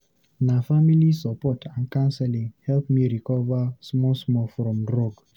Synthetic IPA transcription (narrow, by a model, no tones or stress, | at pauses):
nafamilisɔpɔtʰãnkãnsɛlĩŋhɛlpmiɹikɔvasmɔsmɔfɹɔ̃mdɹɔɡ